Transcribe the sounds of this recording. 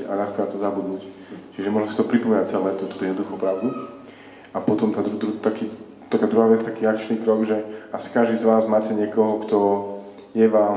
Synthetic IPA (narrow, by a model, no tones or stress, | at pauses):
anaxkɔat̪ɔzabud̪nuːc | t͡ʃiʒɛmɔʒnɔsit̪ɔpɾipɔmɛnat͡sɛlɛːt̪ɔt̪ut̪ːɔjɛd̪nɔd̪uxɔpɾaʊd̪u | ʔapɔt̪ɔmt̪aːd̪ɾud̪ɾut̪akiː | t̪akaːd̪ɾuɦaːʋjɛt͡st̪akiːakt͡ʃniːkɾɔɡʒɛʔasi̥kaʒd̪iːzʋaːzmaːcɛɲɪɛkɔɦɔkt̪ɔ | jɛʋaːm